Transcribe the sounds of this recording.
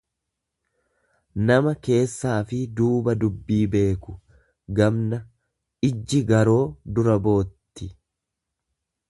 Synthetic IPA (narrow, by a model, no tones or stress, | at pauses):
nɐmɐke̞ːsːaːfɪd̪uːbɐd̪ʊbːiːbe̞ːkʊ | ɡɐbnɐ | ɪd͡ʒːɪɡɐɾo̞ːd̪ʊɾɐbo̞ːt̪ːɪ